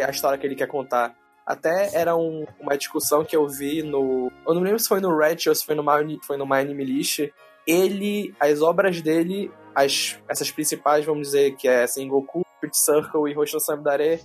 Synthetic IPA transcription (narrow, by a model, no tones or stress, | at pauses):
ɐiʃt̪ɔɾiɐkɪelɪkɛkõnt̪a | a̰t̪ɛɛɾɐũũmɐd͡ʒiʃkusɐ̃w̃kɪewvinʊewnɐ̃milẽbɾʊsɪ̥fojnʊɾɛt͡ʃesɪ̥fojnʊmanifojnʊmãjnimiliʃt͡ʃɪ | elɪɐzɔbɾɐzd̪elɪɐʃɛsɐʃpɾĩsipajzvɐ̃mʊd͡ʒizeɾkɪɛasĩɡokupit͡ʃseɾkowɪɦoʃiɐ̃sɐ̃bd̪aɾe